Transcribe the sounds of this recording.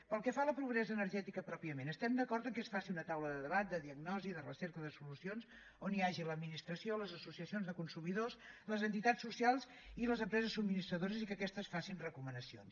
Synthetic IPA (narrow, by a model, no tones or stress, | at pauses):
pəlˠkɛfaləpɾuɣ̞ɾɛzəːnəɾʒɛt̪ikəpɾɔpiəmenəst̪ɛmd̪əkɔɾt̪əŋkesfasiunət̪awləðəðəβat̪̚d̪əðiəɡnɔziðərəsɛɾkəðəsulusions | oniaʒiləd̪minist̪ɾəsioləzəsusiəsionzðəkunsumiðosləzənt̪it̪at͡ssːusjalˠz | iləzəmpɾɛzəsubminist̪ɾəðoɾəzikəkɛst̪əsfasinrəkumənəsio̰ns